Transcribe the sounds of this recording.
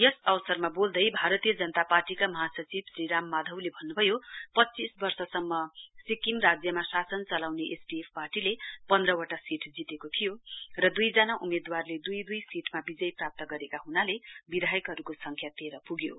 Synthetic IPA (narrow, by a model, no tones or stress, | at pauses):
jʌsʌwsʌrmabold̪ʌjbʱaɾʌt̪ijʌd͡zʌnʌt̪aparʈikamʌɦasʌt͡sibsriɾamːad̪ʱʌwlebʱʌnːubʱʌjopʌtːt͡sisbʌrsʌsʌmːʌsikimrad͡zjʌmasasʌnt͡sʌlawneʔesʈiepʰparʈilepʌnd̪rʌwaʈasiʈʰd͡zit̪ekot̪ʰijorʌd̪ujd͡zanaʔumed̪warled̪ujd̪ujsiʈʰmabid͡zʌjprap̚t̪ʌɡʌɾekaɦunalebid̪ʱajʌkɦʌɾukosʌŋkʰjat̪eɾʌpuɡjo̰